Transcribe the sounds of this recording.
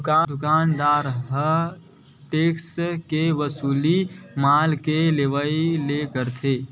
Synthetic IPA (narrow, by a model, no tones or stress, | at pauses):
kad̪ʊkaːnd̪aːɾɦə | ʈeːkskeʋəsuːlimalkeleʋəilekəɾt̪ʰe